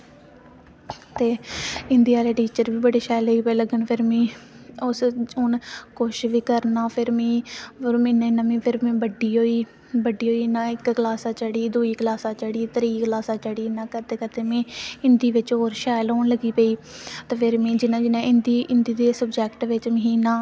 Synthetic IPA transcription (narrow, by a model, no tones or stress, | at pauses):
t̪eːɪ̃nd̪iːaːleːʈiːt͡ʃəɾʋiːbəɽeːʃaːloiːpeiːləɡəɳpʰɪɾmẽːʊsʊnkʊʃʋiːkəɾnaːpʰɪɾmẽːɾmĩːnãnãːmĩːpʰɪɾmẽːbəɖːiːɦoːiː | bəɖiːɦoːiːnãːɪkklaːsaːt͡ʃəɽiːd̪uːiːklaːsãːt͡ʃəɽiːt̪əɾiːklaːsãːt͡ʃəɽiːnãːkəɾt̪eːkət̪eːmẽːɪnd̪iːʋɪt͡ʃɦoːɾʃaːloːɳləɡiːpəiːt̪eːpʰɪɾmẽːd͡ʒɪnãːd͡ʒɪnãːʔɪnd̪iːʔɪnd̪iːd̪eːsəbd͡ʒɛːkʈʋɪt͡ʃməɦiːnãː